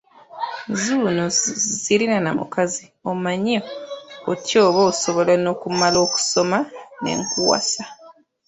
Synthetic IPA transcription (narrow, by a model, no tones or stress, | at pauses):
zunozilinana̰mṵkazi | omaɲiootjoːβoːso̞βo̞lano̞kumalo̞ːku̥so̞mane̞̰ŋkuwa̰sa